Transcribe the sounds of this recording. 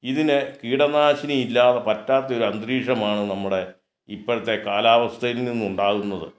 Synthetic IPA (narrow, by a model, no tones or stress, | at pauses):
iðinɨkiːɽɐnaːɕinɐilːaːðɐpɐtːaːt̪ːɐo̞ɾuɐnd̪riːʂɐmaːɳɨnɐmːuɽe̞ | ipːoɾɐt̪ːe̞kaːlaːʋɐst̪ʰɐjilninːuɳɖaːɣunːɐðɨ̰